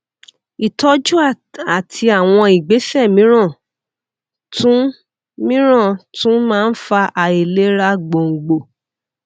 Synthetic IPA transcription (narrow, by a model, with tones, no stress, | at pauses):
i˨tɔ˦d͡ʒu˦a˨ | a˨tʰi˧a˦˨w̃ɔ̃˧i˨ɡ͡be˨˦fɛ˦˨mĩ˨˦ɾ̃ã˦˨ | tũ˦ | mĩ˦ɾ̃ã˦˨tũ˦mãː˦˧n̩˦fa˧ʔa˧e˨le˦ɾa˧ɡ͡bo˨ŋ̩˨ɡ͡bo˨